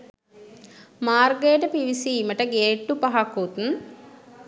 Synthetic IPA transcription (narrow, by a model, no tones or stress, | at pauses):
maːrɡəjəʈəpiʋisiːməʈəɡeːʈːupaɦakut̪n